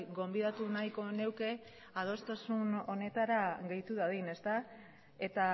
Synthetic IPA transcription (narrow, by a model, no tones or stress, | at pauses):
ɡo̞mbiðat̪unajko̞ne̞wke̞ | að̞o̞st̪asuno̞ne̞t̪aɾaɣe̞jt̪uðaðine̞st̪a | e̞t̪a